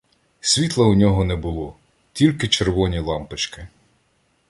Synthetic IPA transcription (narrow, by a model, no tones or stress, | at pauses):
sʲʋʲit̪lˠɐʊnʲɔɦɔnɛbʊlˠɔ | tʲilʲkɪt͡ʃerʋɔnʲilˠɑmpɪt͡ʃkɪ